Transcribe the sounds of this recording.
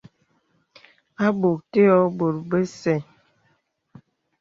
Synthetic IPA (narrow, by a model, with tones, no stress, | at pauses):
a˦bo˨k̚te˦ɔ˦bo˨ɾbə˦sɛ˦˨